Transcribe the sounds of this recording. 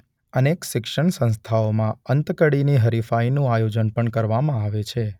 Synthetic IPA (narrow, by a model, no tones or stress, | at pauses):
ənekʃɪkʃəɳsə̃nst̪ʰaomãənt̪kəɽiniɦəɾifainũajod͡ʒənpəɳkəɾʋamãaʋet͡ʃʰe